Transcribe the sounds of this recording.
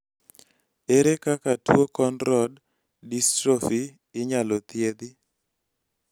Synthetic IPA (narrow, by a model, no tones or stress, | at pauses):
eɾekakatwokɔnɾɔd | distɾofi | ɪɲalɔt̪jed̪ɪ